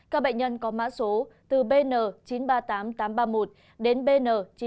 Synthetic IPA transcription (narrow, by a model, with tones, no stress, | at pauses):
kaː˦˥k̚ɓə̰˧˨ŋ̟ɲə˧nkɔ˨˦ma̰ː˧˥so˨˦t̪ɨ˨˩ɓe˧nəː˨˩t͡ɕi˨˦nɓaː˧t̪aː˨˦mt̪aː˨˦mɓaː˧mo˨˩t̚ | ɗe˨˦nɓe˧nəː˨˩t͡ɕi˨˦